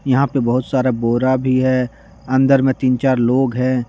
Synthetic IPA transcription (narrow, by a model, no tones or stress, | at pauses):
jɐɦãpebɐɦʊt̪saːɾaboːɾabʱiɦɛ | ɐ̃nd̪əɾmẽt̪iːnt͡ʃaːɾloːɡɦɛ̃ː